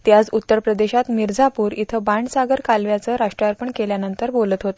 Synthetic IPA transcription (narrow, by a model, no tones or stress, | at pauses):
t̪jad͡zut̪ːəɾpɾəd̪eɕat̪miɾd͡zapuːɾit̪ʰəbaɳɖsaɡəɾkalʋjat͡səɾaʂʈɾaɾpəɳkeljanənt̪əɾbolət̪ɦot̪